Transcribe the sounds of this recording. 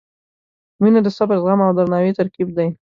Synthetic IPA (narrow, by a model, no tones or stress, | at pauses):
minad̪əsabaɾzɣamawd̪aɾnɑwet̪aɾkib̚d̪aj